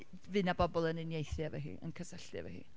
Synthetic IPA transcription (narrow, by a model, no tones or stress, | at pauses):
vɨnabɔbɔlˠənɪnjejθjavɛ̰ɦḭːʔə̰nkʰəsɛɬɨavɛ̰hḭː